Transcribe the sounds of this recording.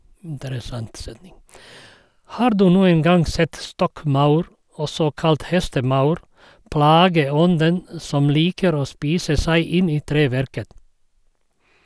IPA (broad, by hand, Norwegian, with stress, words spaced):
ˈhɑːɾ ˈdʉː ˈnuːəŋ ˈɡɑŋ ˈsɛt ˈstɔkˌmɑʉɾ ˈɔsɔ ˈkɑlt ˈhɛstəˌmɑʉɾ ˈplɑːɡəˌɔndən ə ˈsɔm ˈliːkəɾ ˈoː ˈspiːsə ˈsæɪ ˈɪn ˈiː ˈtɾeːˌʋæɾkət